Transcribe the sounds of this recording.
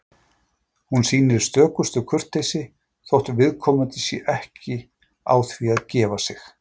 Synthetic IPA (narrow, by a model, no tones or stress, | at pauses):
hunsiːnɪɾɪst̪œːkʏst̪ʏkʰʏr̥t̪ːejsɪ | θowht̪vɪðkʰɔːmʏt̪ɪsjɛʔɛhcɪ | a̰ːwθviaðcɛːvasɪx